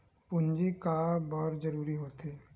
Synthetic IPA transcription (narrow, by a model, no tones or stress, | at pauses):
pʊnd͡ʒikaːbɔːɾd͡ʒɐɾuːɾiɦoːt̪eː